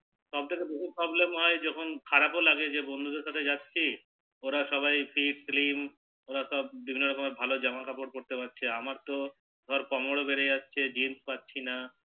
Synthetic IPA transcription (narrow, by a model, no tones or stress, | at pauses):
ʃɔb̚t̪ʰekebeʃipɾɔblemɦɔed͡ʑɔkʰonkʰaɾapolaɡed͡ʑebond̪ʱud̪eɾʃat̪ʰed͡ʑatːɕʰi | oɾaʃɔβajfʰiɖslim | oɾaʃɔb̚bibʱinːoɾkomeɾbʱalod͡ʑɔmakʰapoɽpoɾt̪epatːɕʰeamaɾt̪o | ɡ̪ʱɔɾkɔmoɽobeɾeatːɕʰed͡ʑinspatːɕʰina